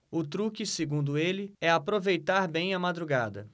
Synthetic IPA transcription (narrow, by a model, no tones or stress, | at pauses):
ʊt̪ɾukiseɡũnd̪ʊelɪɛapɾovejt̪aɾbẽj̃ɐmad̪ɾuɡad̪ɐ̰